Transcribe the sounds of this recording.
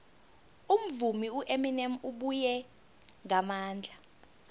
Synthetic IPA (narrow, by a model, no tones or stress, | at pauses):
um̩vumiuʔeminɛmuɓujɛ | ŋamaːnd͡ɮʱa